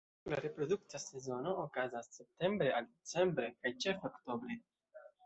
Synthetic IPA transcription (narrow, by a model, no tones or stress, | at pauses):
laɾepɾo̞duktase̞zo̞no̞ːkazasːe̞p̚te̞mbɾe̞aldet͡se̞mbɾe̞kajt͡ʃe̞fokto̞bɾe̞